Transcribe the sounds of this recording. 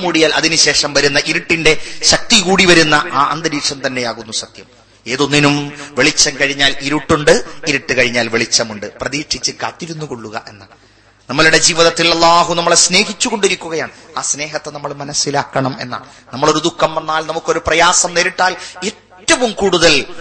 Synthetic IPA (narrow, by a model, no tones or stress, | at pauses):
muːɽijaːlʔɐ̰ðinɨɕe̞ːʂɐmʋɐɾunːɐʔiɾuʈːinde̞ɕɐk̚t̪ikuːɽiʋɐɾunːɐʔaːʔɐ̰nd̪ɐɾiːʈʂɐmt̪ɐnːe̞jaːɣunːusɐd̪jɐm | e̞ːðonːinumʋeɭit͡ɕːɐmkɐɻiɲːaːliɾuʈːuɳɖɨiɾuʈːɨkɐɻiɲːaːlʋeɭit͡ɕːɐmuɳɖɨprɐðiːkʂit͡ɕːɨkːa̰ːt̪ːiɾunːukoɭːuɣɐ̰ʔe̞nːa̰ɭ | nɐmːɐɭuɽe̞d͡ʑiːʋiðɐt̪ːilɐlˠːaːɦunɐmːɐɭesne̞ːɦit͡ɕːuɣo̞ɳɖiɾikʲːuɣɐjaːɳɨaːsne̞ːɦɐt̪ːenɐmːɐɭmɐnɐsilaːkːɐɳɐme̞̰nːa̰ːɭ | nɐmːɐɭo̞ɾud̪ukːɐmʋɐnːaːlnɐmukːo̞ɾuprɐjaːsɐmneːɾiʈːaːle̞tːɐʋumkuːɽuðɐl